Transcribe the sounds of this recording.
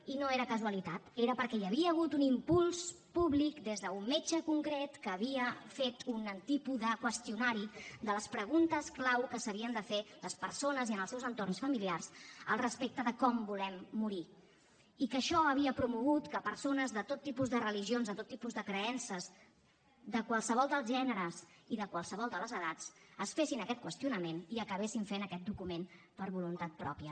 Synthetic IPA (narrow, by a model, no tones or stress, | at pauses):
inoeɾəkəzwəlit̪at̪eɾəpəɾkɛjəβ̞iəːɣ̞ut̪unimpulˠspuβlikd̪ezðəumːed͡ʒəkuŋkɾet̪kəːβ̞iəfet̪unənt̪ipuðəkwəst̪iunaɾid̪ələspɾəɣ̞unt̪əsklawkəsəβ̞iənd̪əfeləspəɾsonəziənəlˠsɛwzənt̪ornsfəmiliarsəlˠrəspek̚t̪əðəkɔmbulɛmːuɾi | ikəʃɔəβ̞iəpɾumuɣ̞ut̪kəpəɾsonəzðət̪ot̪ːipuzðərəliʒionzðət̪ot̪ːipuzðəkɾəɛnsəz | ðəkwalˠsəβ̞ɔlˠd̪əlˠzʒɛnəɾəz | iðəkwalˠsəβ̞ɔlˠd̪ələzəðat͡səsfesinəkɛt̪kwəst̪iunəmeniəkəβ̞esiɱfenəkɛt̪̚d̪ukumen | pəɾβulunt̪at̪̚pɾɔ̰pijə